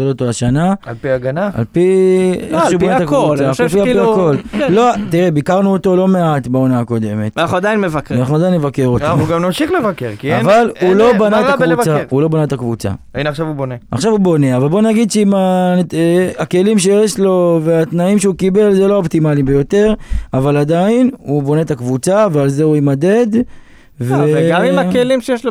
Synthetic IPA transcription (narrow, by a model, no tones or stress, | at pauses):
elot̪oaʃanaalpiaɡanaa̰lpieubbnat̪akvuapialpiako̞llot̪iʁebikaʁnuot̪o̞lo̞me̞at̪baonaako̞d̪e̞me̞t̪anaχnuad̪ajinmevakanaχnuad̪ajnmevakeʁotuɡamnoʃiχlevakeʁkiavalulo̞banaakvut͡saulo̞banaet̪akvut͡sa̰ | inaχʃavubonea̰χʃavubo̞ne̞avalbo̞naɡid̪ʃeima | ake̞limʃe̞jeʃlo̞ve̞at̪naimʃeukibe̞lzeloobt̪imalibejo̞t̪e̞ʁavalad̪ajinubo̞ne̞t̪akvut͡savealze̞uimad̪e̞d̪ | veeimakelimʃejeʃlo